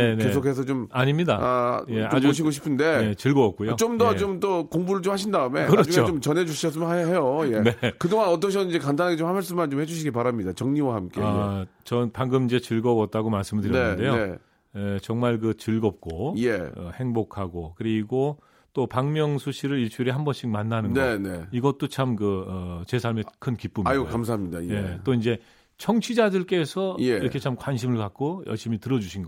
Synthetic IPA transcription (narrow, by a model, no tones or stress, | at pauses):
enke̞sʰokʰe̞s̬ʰʌt͡ɕomaɲimɲidaajeaooɕ̬ʰiɡoɕʰi̥pʰɯnde̞jet͡ɕɯɭɡʌʌk̚k͈ujot͡ɕomdʌt͡ɕomt͈okoŋbuɾɯɭt͡ɕomhaɕ̬ʰindaɯme̞nkɯɾaɾʌd͡ʑuŋot͡ɕomt͡ɕʌnɦe̞d͡ʑuɕʰiʌs͈ɯmɯejojene̞kɯdoŋanʌt̬͈ʌɕ̬ʰiʌnid͡ʑe̞kandanɦaɡet͡ɕomhamaɭs͈ɯmːant͡ɕomhe̞d͡ʑuɕʰiɡipaɾamɲidat͡ɕʌŋɲiwahamk͈eat͡ɕʌnpaŋɡɯmind͡ʑe̞t͡ɕɯɭɡʌwʌt̚t͈aɡomaɭs͈ɯmɯɭdɯɾjnnede̞joe̞ | et͡ɕʌŋmaɭkɯt͡ɕɯɭɡʌp̚k͈ojeʌ̰he̞ŋbokʰaɡokɯɾiɡo | t͈opaŋmjʌŋsʰuɕʰiɾɯɾit͡ɕʰuɾehambʌnɕ͈ʰik̚manːanɯnɡnʌeneiɡʌt̚t͈ot͡ɕʰamkɯʌt͡ɕe̞sʰaɭmekʰɯnkip͈umajokams̬ʰaamɲidajet͈oind͡ʑe̞ | t͡ɕʰʌŋt͡ɕʰid͡ʑadɯɭk͈e̞sʰʌeiɾʌkʰe̞t͡ɕʰamkwanɕʰimɯɭkak̚k͈ojʌ̰ɭɕ͈imitɯɾʌd͡ʑuɕʰinɡʌ